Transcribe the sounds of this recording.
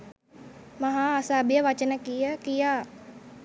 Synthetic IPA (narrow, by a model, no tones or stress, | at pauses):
mɐɦaːɐsaːbjəʋɐt͡ʃənəkijəkijaː